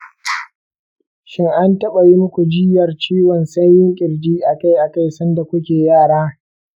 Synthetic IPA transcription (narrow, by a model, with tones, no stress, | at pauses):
ʃɪ˦ŋʔa˦ntɐ˦ɓɐ˨jiː˦mʊ˦kʷu˨d͡ʒɪ˦jɐ˨rt͡ʃiː˦wɔ˨nsɐ˦jjːɪ˦ŋkʲʼɪ˨rd͡ʒiː˦ʔa˨ka˦jʔa˨ka˦jsɐ˦nda˨kʷʊ˦kʲeː˨jaː˦˨ɽaː˦